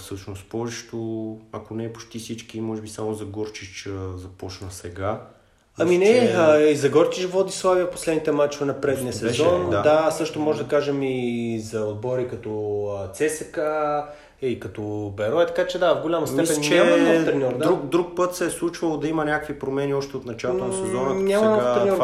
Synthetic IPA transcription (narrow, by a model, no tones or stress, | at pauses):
fsɤʃnost̪pɔʒiʃt̪oɐkonɛːpo̥t͡ʃt̪isit͡ʃkimɔʒɛbisamozɐɡɔɾt͡ʃit͡ʃəzɐpɔt͡ʃnəsɛɡa | ɐminɛəizɐɡɔɾt͡ʃiʃvlˠɐd̪islˠaviɐpo̥slɛd̪nit̪ɛmat͡ʃvɛnɐpɾɛd̪niəsɛzɔnad̪asɤəʃt̪omɔʒɛd̪ɐkaʒɛmizɐod̪̚bɔɾikɐt̪ɔt̪sɛsəkə | iikɐt̪ɔbɛɾɔɛt̪ɐ̥kat͡ʃɛd̪avɡolʲamɐstmɛispɛnt͡ʃːnʲɛamɐnɔt̪ɾɛnʲɔɾd̪aukd̪ɾuk̚pɤt̪sɛɛslˠut͡ʃvɐlˠod̪ɐimɐnʲakəkvipɾomɛniɔʃt̪ɛot̪nɐt͡ʃalˠot̪onɐssɛzɔnənʲamɐnɔfɾɛnʲɔ